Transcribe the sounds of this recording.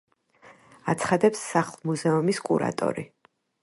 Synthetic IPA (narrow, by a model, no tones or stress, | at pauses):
at̪sʰχad̪ɛpsːaχlˠmuzɛumiskʼṵɾa̰t̪ʼɔ̰ɾi